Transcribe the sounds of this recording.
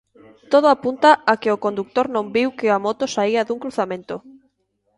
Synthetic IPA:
t̪oð̞oapunt̪aakɪokond̪uk̚t̪oɾnõmbiwkɪamot̪osaiaðuŋkɾuθamẽnt̪o

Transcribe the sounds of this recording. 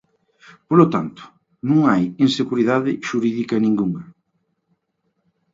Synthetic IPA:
polot̪ant̪ʊ̥ | nũŋajinseɣuɾiðaðɪʃuɾiðikɐnĩŋɡuŋɐ

